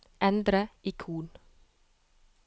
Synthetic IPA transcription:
ʔɛnd̪ɾəʔɪkʰuːn

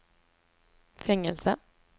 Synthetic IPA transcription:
fɛŋːɛlsə

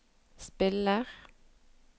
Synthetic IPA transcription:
spɪləʁ

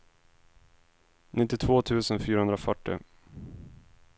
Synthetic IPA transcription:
nɪt̪ːɪt̪ʰvoːt̪ʰʉ̟ːsənfyːɾahɵnd̪ɾafœʈːɪ̰

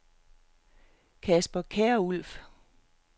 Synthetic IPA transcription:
kʰæsb̥ɐkʰɛːɐul̰f

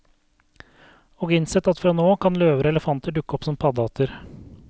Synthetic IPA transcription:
oːɡɪnsɛt̪ːɑt̪fɾɑːnoːkʰɑnløːʋəɾəɛləfɑnt̪əɖʉkːəɔpsɔmpʰɑd̪ɑːt̪ʰəɾ

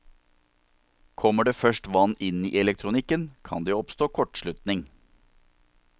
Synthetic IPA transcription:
kʰɔmːəɖeːfœʃʈʋɑnɪnḭːʔɛlɛk̚t̪ʰɾʊnɪkənkʰɑ̰nd̪eːɔpst̪oːkʰɔʈʃɭʉt̪nɪŋ

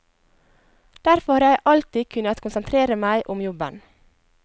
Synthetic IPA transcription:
d̪̥æɾfɔhɑɾjæɪʔɑlt̪ɪkʰʉnəɑt̪kʰʊnsənt̪ʰɾeːɾəmæɪʔʊmjɔbə̰n

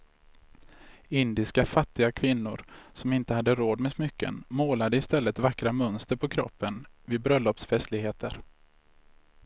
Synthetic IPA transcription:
ɪnd̪ɪskafat̪ːɪɡakʰvɪnːʊɾsɔmɪnt̪əhad̪ːəɾoːd̪mɛsmʏkːə̰nmoːlad̪əɪst̪ɛlːət̪vakːɾamœnst̪əɾpʰɔkʰɾɔ̰pːənvɪd̪bɾœlːɔpsfɛst̪lɪɡheːt̪ʰəɾ

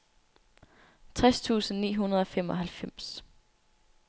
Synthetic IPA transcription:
t͡sʰʁast͡sʰṵːsn̩nḭːɦunɐð̞ˠɒ̽femɒ̽ɦælfem̰s

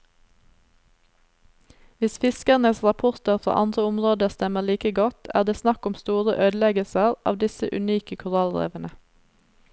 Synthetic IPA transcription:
ʋɪsfɪskəʁnəsʁɑpʰʊʁt̪əʁfɾɑ̰ːʔɑnd̪ʁəʊmʁoːd̪əst̪ɛməliːkəɡɔt̪ʰæ̰ːʁd̪eːsnɑkʊmst̪uːʁəʔøːd̪lɛɡəlsəʁʔɑ̰ːʋd̪ɪsəʔʉ̰niːkəkʰʊʁɑlʁḛːʋənə

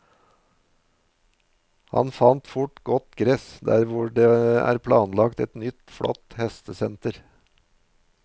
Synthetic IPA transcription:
hɑ̰nfɑnt̪fʊʈɡɔt̪ɡɾɛsd̪æ̰ːɾʋʊɖeːæ̰ːɾpʰlɑːnlɑkt̪ɛt̪nʏt̪fɽɔ̰t̪hɛst̪əsɛnt̪əɾ

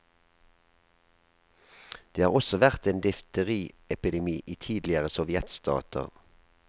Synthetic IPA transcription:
d̪̥eːhɑːʁɔsɔʋæʁt̪eːnd̪ʏft̪əʁiːɛpɪd̪ɛmiːʔiːt̪ʰiːd̪lɪəʁəsɔʋjɛt̪st̪ɑ̰ːt̪ʰə̰ʁ

